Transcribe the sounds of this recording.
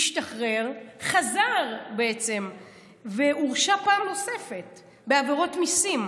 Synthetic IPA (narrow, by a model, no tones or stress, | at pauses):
iʃtaχʁe̞ʁχazaʁbeet͡se̞m | ve̞ʔuʁʃapaːmno̞se̞fet | beaveʁo̞tmisim